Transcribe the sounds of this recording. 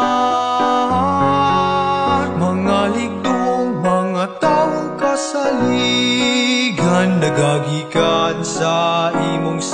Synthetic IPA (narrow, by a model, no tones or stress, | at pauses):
maŋaliɡuŋmaŋat̪auŋkasali | ɡandəɡaɡikansaʔimuŋs